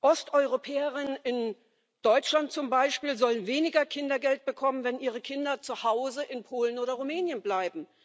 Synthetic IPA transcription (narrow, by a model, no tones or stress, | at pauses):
ʔɔstʔɔʏʁopʰɛːəʁɪnənɪn | d̥ɔʏt͡ʃlant̚t͡sʊmbaɪʃpiːlzɔlənveːnɪɡɐkʰɪndɐɡɛlt̚b̥əkʰɔmənvɛnʔiːʁ̞əkʰɪndɐt͡suhaʊzəʔɪnpʰoːlənoːɾɐʁumɛːnjənblaɪbm̩